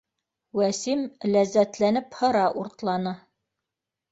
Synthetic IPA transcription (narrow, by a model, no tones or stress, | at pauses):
wæsimlæzːæt̪lænɘphɤ̆ɾɑʔuɾt̪lˠɑnɤ